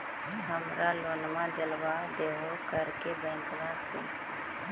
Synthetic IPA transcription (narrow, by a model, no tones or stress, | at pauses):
ɦiɦəmɾaloːnmãd͡ʒəlʋad̪eːɦokəɾkebɛ̃ːŋkʋãsḛ